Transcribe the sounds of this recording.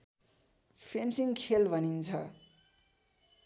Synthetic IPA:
pʰensiŋkʰelbʱʌnint͡sʰʌ

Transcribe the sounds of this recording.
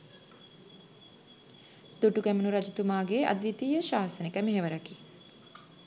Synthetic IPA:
d̪̥uʈuɡæmunuɾad͡ʒut̪umaːɡeɐ̰d̪ʋit̪iːjəʃaːsənekəmeɦeʋəɾɐki

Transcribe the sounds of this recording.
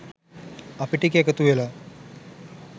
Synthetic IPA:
ɐpiʈikekɐt̪uela

